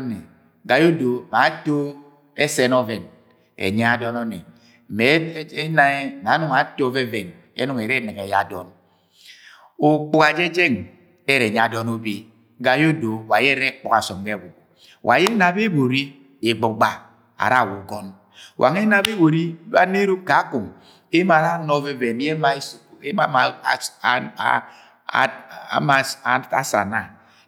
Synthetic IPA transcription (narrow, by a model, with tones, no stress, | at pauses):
ne˨ | ɡa˨jo˦do˨ma˨˦to˦ | e˦se˦nɔ˦ve˨n | ḛ˨ɲa˦a˦dɔ˦nɔ˦nḛ˨ | m̩˨me˨˦e˦na˦e˦˨na˨˦nu˨ŋa˨˦to˦ve˦ve˨n | ḛ˦nu˨ŋe˨ɾe˦ne˨ke˨ja̰˦˨dɔ̰˦n | o˨k͡pu˨ka˨d͡ʒe˦d͡ʒe˦˨ŋ˨ | e˦ɾe˨ɲ˦a˨dɔ˦no˦bi˦ | ɡa˨jo˦do˨wa˨je˦ɾe˦k͡pɔ˦ka˨sɔ˨mɡe˦˨wu˨ | wʔa̰˨je˦na˨be˦bo˨ɾi˦ | e˨ɡ͡bo˨ɡ͡ba˨ | a̰˨ɾa˦˨wu˨ɡɔ˦n | wʔa̰˨ŋe˦na˦be˦bo˨ɾi˦ba̰˦ne˦ɾu˦ka˨a˦ku˨m | e˦ma˨ɾa˦nɔ˦ve˦ve˨n˦je˦ma˨˦ | ma˦a˨˦˨ | ma˨˦a˦sa̰˨na˦˨